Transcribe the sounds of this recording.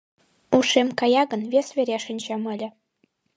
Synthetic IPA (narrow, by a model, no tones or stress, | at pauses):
uʃemkɑjɑɣɤ̆nvʲesvʲeɾʲeʃə̆nʲt͡ɕɑmɤ̆lʲɘ̆